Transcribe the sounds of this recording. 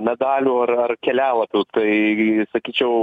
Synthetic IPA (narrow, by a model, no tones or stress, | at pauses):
mʲɛd̪ɑːlʲuːɐɾɐrkʲɛlʲæːʋɐt̪uːt̪ɐɪsɐkʲiːt͡ʃʲɛʊ